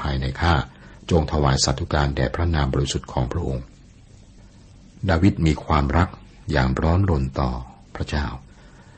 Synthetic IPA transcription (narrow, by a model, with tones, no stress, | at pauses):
pʰaː˧jna˧jkʰaː˥˩t͡ɕo˧ŋt̪ʰa˧waː˩˦jsa˨˩t̪ʰːu˦˥kaː˧ndɛ̰ː˨˩pʰɾa˦˥naː˧mbɔː˧ɾi˦˥su˨˩t̪̚kʰɔː˩˦ŋpʰɾa˦˥ʔo˧ŋ | daː˧wi˦˥t̪̚miː˧kʰwaː˧mɾa˦˥k̚ | jaː˨˩ŋɾɔː˦˥nɾo˧nt̪ɔː˨˩pʰɾa˦˥t͡ɕaː˥˩w